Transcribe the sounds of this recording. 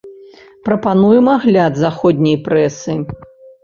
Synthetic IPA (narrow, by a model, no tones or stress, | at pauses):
pɾɐpanujɛmaɣlʲad̪zaxɔd̪ʲnʲɐjpɾɛsɨ